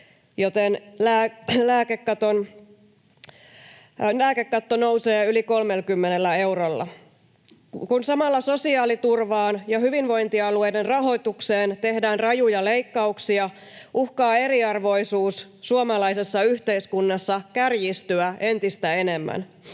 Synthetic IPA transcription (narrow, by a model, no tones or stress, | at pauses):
jot̪enlæːlæːkekːɑt̪on | læːkekːɑt̪ːono̞wse̞ːyliko̞lmelkymːenelːæe̞wɾolːɑ̰ | kunsɑmɑlːɑso̞siɑːlit̪urʋɑːnjɑɦyʋinʋo̞jnt̪iɑlue̞jdenrɑɦo̞jt̪ukseːnt̪e̞hdæːnrɑjujɑle̞jkːɑuksiɑ | ʔuhkɑːe̞ɾiɑrʋo̞isuːsːuomɑlɑisesːɑyht̪e̞iskunːɑsːɑkærjist̪yæʔe̞nt̪ist̪æe̞nemːæ̰n